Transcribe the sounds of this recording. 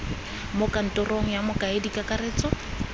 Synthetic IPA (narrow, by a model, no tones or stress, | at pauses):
mʊkan̩tʼɔroŋ̩jamʊkʼaɪdikʼakʼaɾeːt͡sʼɔ